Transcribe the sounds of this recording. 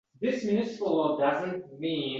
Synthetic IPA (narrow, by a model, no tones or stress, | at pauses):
ðɪsmɪnɨsɪpəl̩ˠədʌzə̃nt̚mĩ